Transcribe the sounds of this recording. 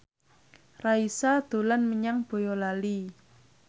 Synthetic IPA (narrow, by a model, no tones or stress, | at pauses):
raisad̪̥o̤lanməɲaŋb̥o̤jɔlali